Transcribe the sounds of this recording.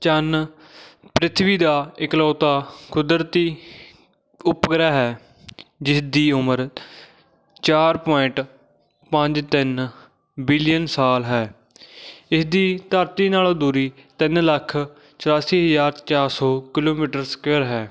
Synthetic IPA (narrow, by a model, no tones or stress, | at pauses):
t͡ʃən | pɾɪt̪ʰʋiːd̪aːɪklɔːt̪aːkʊd̪əɾt̪iː | ʊpɡɾaːɦɛː | d͡ʒɪsd̪iːʊməɾ | t͡ʃaːɾpɔːɪɳʈ | pə̃ɲd͡ʒt̪ɪn | bɪlɪjənsaːlɦɛː | ɪsd̪iːt̪əɾt̪iːnaːlod̪uːɾiːt̪ɪnləkʰ | t͡ʃəɾaːsiːɦəzaːɾt͡ʃaːɾsoːkɪloːmiːʈəɾskeəɾɦɛː